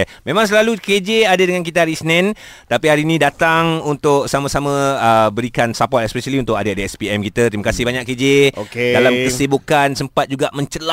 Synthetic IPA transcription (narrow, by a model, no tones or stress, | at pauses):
mẽmãŋs̬əlaluked͡ʒeadadəŋank̬it̪aɾisnɛ̃nt̪apihaɾinĩdat̪aŋunt̪ʊk̚samasamə̃əbəɾikansapɔt̪ɛspɛsəliunt̪ʊkadaadaɛspiɛmkit̪ət̪ɾimakasɪhbaɲaked͡ʒeokedalamkəsibukansəmpat̪̚d͡ʒuɡaʔmə̃ɲt͡ʃəla